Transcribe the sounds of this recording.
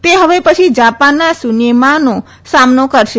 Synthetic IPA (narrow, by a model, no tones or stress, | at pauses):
t̪eɦəʋepət͡ʃʰid͡ʒapanːasunemano | samnokəɾʃe